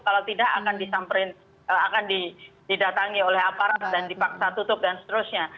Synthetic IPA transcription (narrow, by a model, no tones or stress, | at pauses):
kalawt̪idakakandisampəɾɪn | əakandididat̪aŋiolɛɦapaɾadandipaksat̪ut̪ʊp̚dansət̪əɾʊsɲa